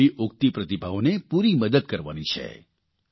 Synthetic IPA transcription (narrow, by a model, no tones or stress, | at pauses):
iʔʊk̚t̪ipɾət̪ibaonepuɾiməd̪əd̪̚kəɾʋa̰nit͡ʃʰḛ